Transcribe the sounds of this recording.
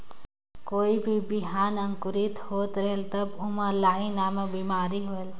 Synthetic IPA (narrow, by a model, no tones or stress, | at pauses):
koːibʱibiɦaːnɐ̃ŋkʊɾit̪hoːt̪ɾelt̪ɐbʊmalaːɦinaːmebiːmaːɾiɦoel